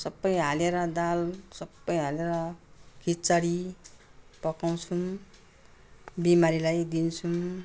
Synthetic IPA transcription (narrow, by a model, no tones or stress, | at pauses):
sʌbːʌjɦaleɾʌd̪alsʌbːʌjɦaleɾʌkit͡saɾi | pʌkaw̃t͡sʰum | bimaɾilajd̪int͡sʰum